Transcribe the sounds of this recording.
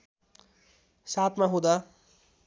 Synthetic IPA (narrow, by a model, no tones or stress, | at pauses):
saːt̪ʰmãɦũd̪aː